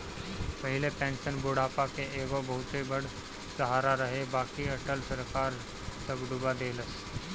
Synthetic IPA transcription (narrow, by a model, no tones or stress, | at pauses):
pɐɦɪlepɛ̃ːnʃənboːɽ̤aːpakeeːɡobɐɦʊt̪ebəɽ | sɐɦaːɾaɾɐɦebaːkiɐʈəlsɐɾkaːɾ | t̪ɐɡɖʊbad̪eːləs